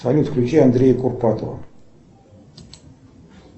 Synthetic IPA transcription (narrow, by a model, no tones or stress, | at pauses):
alʲut̪klʲut͡ʃeand̪ɾʲejkurpat̪o̰